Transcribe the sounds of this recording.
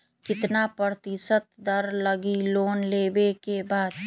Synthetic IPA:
kɪt̪napəɾt̪ɪsət̪d̪əɾləɡiloːnlebekebaːd̪

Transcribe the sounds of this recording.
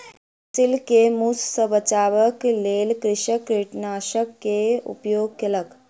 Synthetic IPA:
sɪlkemussəʋət͡ʃaːʋəkleːlkɾɪʃəkɾiʈnaːʃəkːeṵpjoːɡ̚kɐlək

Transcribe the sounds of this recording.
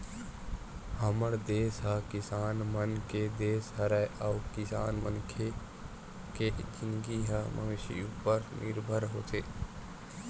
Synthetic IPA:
həməɽd̪eːsɦakɪsaːnmənked̪eːsɦəɾajʔawkɪsa̰ːnmənkʰe | ked͡ʒɪnɡiɦamʔə̰ŋɪʃḭupəɾnʔɪɾbʱəɾɦo̰ːt̪ʰeː

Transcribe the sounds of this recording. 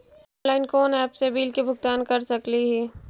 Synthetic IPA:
laːɪnkɔːnɛːpsebiːlkebʱʊɡ̚t̪aːnkɐɾsɐkliɦɛː

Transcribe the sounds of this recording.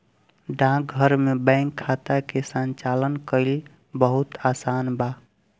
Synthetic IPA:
ɖãk̚ɡʱəɾmebɛ̃ŋkʰːat̪akesənt͡ʃalənkəɪl | bəɦut̪asanba

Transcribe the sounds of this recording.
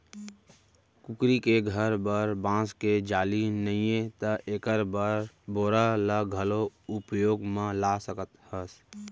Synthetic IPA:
kʊkɾikeɡʱəɾbəɾbãːsked͡ʒaːlinəĩẽt̪əʔeːkəɾbəɾ | boːɾalaɡʱəloʊpjoːɡmãlaːsəkət̪həs

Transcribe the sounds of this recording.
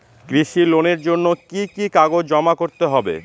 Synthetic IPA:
kɾiʃiloneɾd͡ʑonːokikikaɡod͡ʑɔmakoɾt̪eɦɔbḛ

